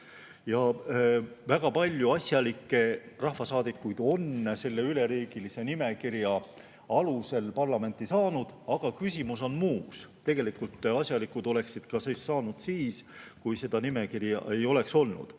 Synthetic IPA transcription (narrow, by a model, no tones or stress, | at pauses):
jɑ | væɡ̥ɑpɑlʲjuɑsʲjɑlikːe̞rɑhfɑsɑːd̪̥ikːujd̪̥o̞nse̞lːe̞yle̞ɾiːɡ̥ilise̞nime̞kirjɑ | ɑluse̞lpɑrlɑme̞nt̪ˑisɑːnud̪̥ɑɡ̥ɑkysʲimuso̞nmuːkst̪e̞ɡ̥e̞likːˑult̪ːˑɑsʲjɑlikud̪̥o̞le̞ksid̪̥kɑsesːɑːnud̪̥siːskujse̞d̪̥ɑnime̞kirjɑ̰ʔe̞jo̞le̞kso̞lnṵd̪̥